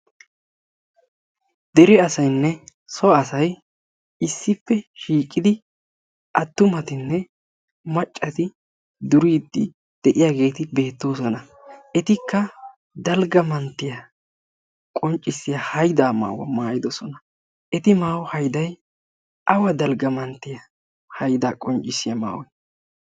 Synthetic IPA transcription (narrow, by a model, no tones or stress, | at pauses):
d̪ɛɾɛɐsɐjnːɛ | sɔɐsɐj | ɪsːɪpːɛʃiːkʼːɪd̪ɪ | ʔɐt̪ːʊmɐt̪ɪnːɛ | mɐt͡ʃʼːɐt̪ɪ | d̪ʊɾiːd̪ːɪ | d̪̥ɛʔɪjaːɡe̞ːt̪ɪbe̞ːt̪ːo̞ːsɔnɐ | ʔɛt̪ɪkːɐ | d̪ɐlɡɐmɐnt̪ːɪjɐ | kʼɔnt͡ʃʼːɪsɪjɐhɐjd̪aːma̰ːwɐ̰maːjɪd̪ɔsɔnɐ | ʔɛt̪ɪmaːwɔhɐjd̪ɐj | ʔɐwɐd̪ɐlɡɐmɐnt̪ːɪjɐ | hɐjd̪aːkʼɔnt͡ʃʼːɪsɪjɐma̰ːwɔ